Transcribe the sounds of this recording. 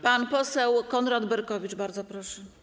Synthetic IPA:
panpɔsɛwkɔnɾad̪bɛɾkɔvʲit͡ʂbaɾd̪zɔpɾɔʂɛ

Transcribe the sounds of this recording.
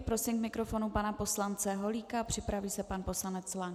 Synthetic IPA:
pɾo̞sɪmkmɪkɾo̞fo̞nupanapo̞slant͡sɛɦo̞liːkapr̝̥ɪpɾaviːsɛpanpo̞slanɛt͡sla

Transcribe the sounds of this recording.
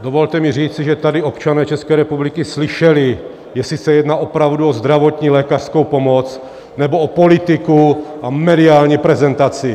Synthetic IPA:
d̪ovɔlt̪ɛmiriːt͡siʒɛt̪adiɔpt͡ʃanɛːt͡ʃɛskɛːɾɛpublikisliʃɛli | jɛsisɛjɛd̪naʔopɾaʊduozd̪ɾavot̪ɲiːlɛːkar̥skowpomɔt͡s | nɛboopolit̪ikuamɛdiaːlɲipɾɛzɛnt̪at͡si

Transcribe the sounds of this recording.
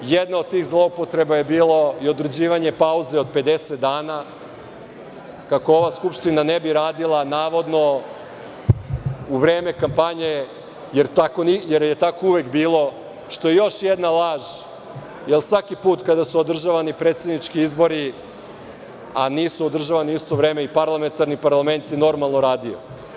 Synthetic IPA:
jed̪naod̪̚t̪iːxzlˠo̞upo̞t̪ɾe̞baje̞biːlo̞io̞d̪ɾed͡ʑiːʋaɲe̞pauze̞o̞d̪̚pe̞d̪e̞set̪̚d̪aːna | kako̞o̞ʋaskupʃt̪inanebiɾaːd̪ilˠanaːʋo̞d̪no̞ | uʋɾe̞ːme̞kampaɲe̞ | jeɾt̪ako̞nijeɾjet̪akouʋekbiːlˠo̞ | ʃt̪o̞je̞jo̞ʃjed̪nalˠaːʒ | jelˠsʋakipuːt̪kad̪asuod̪r̩ʒaʋanipɾet̪se̞d̪nit͡ʃkiizbo̞ɾi | a̰niːsuod̪r̩ʒaʋaniist̪o̞ʋɾe̞ːme̞ipaɾlˠame̞nt̪aɾnipaɾlˠame̞nt̪jeno̞ɾmalˠnoɾaːd̪io̰

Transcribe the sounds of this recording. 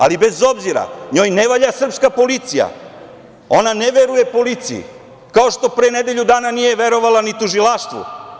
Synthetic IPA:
a̰libe̞zo̞bziɾa̰ɲo̞ːjneʋaʎasr̩pskapo̞lit̪sija̰ | o̞naneʋeɾuje̞po̞lit̪sijḭ | kao̞ʃt̪o̞pɾeːned̪e̞ʎud̪aːnanije̞ʋe̞ɾo̞ʋalanit̪uʒilaʃt̪ʋṵ

